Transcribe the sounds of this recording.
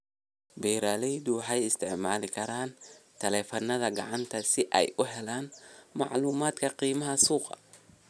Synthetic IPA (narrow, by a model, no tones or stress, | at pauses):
bɛjɾaːlɛjðʊħɑjɪst̪ʰɛʕmaːlɪkʰɐɾaːnt̪ʰɛlɛːfɐnːɐðɐɡɑ̰ʕɑnt̪ʰɐsɪʔɛ̰jʔʊɦɛlaːnmɑʕluːmaːd̪kʰɐqiːmɐɦɐsuːqɑ̰